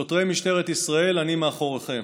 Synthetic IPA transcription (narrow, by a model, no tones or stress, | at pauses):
ot̪ʁejmiʃt̪eʁet̪isʁae̞lanimeaχo̞ʁeχe̞m